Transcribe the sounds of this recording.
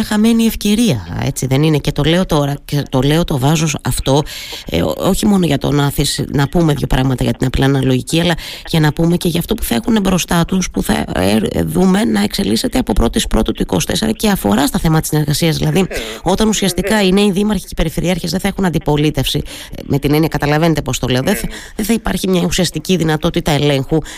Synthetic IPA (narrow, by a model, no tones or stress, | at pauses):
ɐxɐme̞nie̞fce̞ɾiɐḛt͡siðe̞nine̞ce̞t̪o̞le̞ot̪o̞ɾɐcet̪o̞le̞o̞t̪o̞vɐzosɐft̪o̞̰ | o̞çimo̞noʝɐt̪o̞̰nɐθisnɐpume̞ðço̞̰pɾʔɐɣmɐt̪ɐʝɐt̪inɐpilɐnɐloʝiciɐlɐʝɐnɐpume̞ce̞ʝɐft̪o̞pu̥θɐe̞xunebɾo̞st̪ɐt̪uspuθɐ̰eðume̞nɐe̞kse̞lise̞t̪eɐpo̞pɾo̞t̪ispɾo̞t̪ɐt̪uiko̞̰st̪e̞seɾɐ̰ce̞ɐfo̞ɾɐst̪oθe̞mɐt̪t̪isineɾɣɐsiɐzðilɐðio̞t̪ɐnusiɐst̪ikɐine̞iðimɐɾçi̥cepe̞ɾife̞ɾiɐɾçe̞zðeθɐe̞xunɐnd̪ipo̞lit̪e̞fsi | me̞t̪ine̞niɐkɐt̪ɐlɐve̞ne̞t̪e̞post̪ole̞oðeθɐðeθɐipɐɾçimɲɐusiɐst̪iciðinɐt̪o̞t̪it̪ɐele̞ŋxu